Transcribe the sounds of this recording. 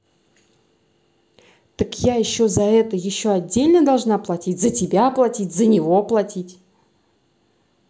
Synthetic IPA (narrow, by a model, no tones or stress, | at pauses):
t̪əkjajɪɕːozɐɛt̪əjɪɕːoɐdʲːelʲnəd̪ɐlˠʐnaplˠɐtʲit̚ʲzətʲɪbʲaplˠɐtʲitʲzənʲɪvo̞plˠɐtʲitʲ